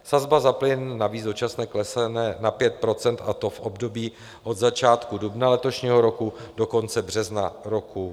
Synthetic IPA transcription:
sazbazaplɪnːaviːzdot͡ʃasnɛːklɛsɛnɛːnapjɛt̪̚pɾo̞t͡sɛnt̪a̰t̪o̞fʔobdo̞biː | ʔo̞d̪zat͡ʃaːt̪kudubnalɛt̪o̞ʃɲiːɦo̞ɾo̞kudo̞ko̞nt͡sɛbr̝ɛznaɾo̞ku

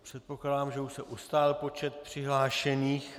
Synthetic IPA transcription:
pr̝̥ɛt̪̚po̞klaːdaːmʒɛuʃsɛʔust̪aːlpo̞t͡ʃɛt̪̚pr̝̥ɪɦlaːʃɛniːx

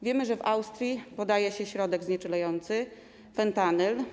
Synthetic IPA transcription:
vʲjɛmɘʐɛvawst̪ɾʲjipɔd̪ajɛɕɛɕɾɔd̪ɛɡzɲɛt͡ʂɘlajɔnt̪sɘ | fɛnt̪anɛl

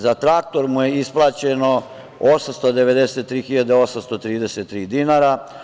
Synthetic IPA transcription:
zat̪ɾak̚t̪o̞ɾmuje̞isplˠaːt͡ɕeno̞ | osamst̪od̪eʋe̞d̪eset̪ːɾiːxiʎad̪eo̞samst̪o̞t̪ɾiːd̪eset̪ːɾiːd̪inaɾa

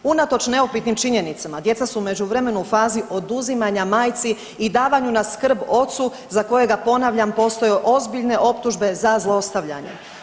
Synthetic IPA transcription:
unat̪o̞t͡ʃne̞opit̪nimt͡ʃiɲe̞nit̪samad̪je̞t̪sasume̞d͡ʑuʋɾeme̞nuufaːziʔo̞d̪uzimaɲamaːjt̪si | id̪aːʋaɲunaskr̩bo̞t̪su | zako̞je̞ɡapo̞naʋʎampo̞ːst̪o̞jeʔo̞zbiʎne̞ʔo̞pt̪uʒbe̞zazlˠoost̪aʋʎa̰ɲḛ

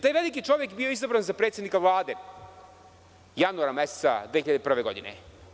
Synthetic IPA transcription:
t̪aːjʋelikit͡ʃo̞ʋjekbioizabɾanzapɾet̪sjed̪nikaʋlˠaːd̪e | januaɾamessad̪veiʎad̪epr̩ʋeɡo̞d̪inḛ

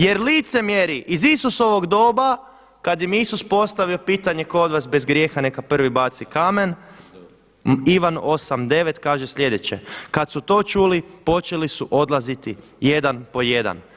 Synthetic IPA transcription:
je̞ɾliːt̪se̞mjeɾiʔizisuso̞ʋo̞ɡd̪o̞ːba | kad̪jimisuspo̞st̪aʋiopiːt̪aɲe̞kood̪ʋasbezɡɾje̞ːxanekapr̩ʋibat̪sikamen | iʋano̞samd̪e̞ʋet̪kaːʒeslʎe̞d̪et͡ɕḛkat̪sut̪o̞ːt͡ʃulipo̞t͡ʃelisuʔo̞d̪lˠazit̪i | je̞d̪anpo̞je̞d̪a̰n

